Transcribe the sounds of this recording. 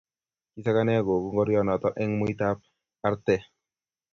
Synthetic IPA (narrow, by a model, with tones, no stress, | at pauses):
ki˨sa˦ka˦nɛ˦ɡo˨ɡu˦ŋɡɔ˦ɾjɔ˦nɔ˨t̪ɔ˦ʔɛ˦ŋmu˦it̪a˦p̚ | a˦ɾt̪ɛ˦